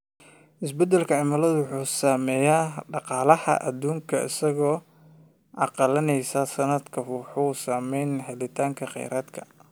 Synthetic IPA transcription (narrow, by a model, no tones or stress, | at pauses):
ʔɪs̬bɛd̪ɛlkʰɐʕɪmɐlɐðʊwħuːsaːmɛːjaːɖɑqɑːlɐhɐ̰ʔɐd̪uːŋkʰɐ̰ʔɪ̰sɐɣɔː | ʔɑqɑlɐnɛjsaːsɐnɐd̪kʰɐwħuːsaːmɛjnhɛlɪt̪ʰaːŋkʰɐqɛ̰jɾa̰ːd̪kʰɐ̥